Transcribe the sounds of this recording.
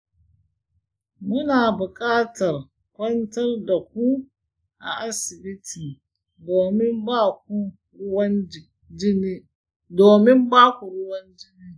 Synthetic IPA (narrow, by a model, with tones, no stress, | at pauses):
mʊ˦naː˨bʊ˨kʼaː˦tɐ˨r | kʷɔ˦ntɐ˦rda˨k̚u˦ | ʔa̰˨ʔa˦sɪ˨bi˦tʰiː˨ | doː˨mɪ˦mbaː˦k̚u˦ | ʊ˦wa˦n | d͡ʒɪ˦ni˦ | doː˨mɪ˦mbaː˦ku˨ɾʊ˦wɐ˦nd͡ʒɪ˦niː˦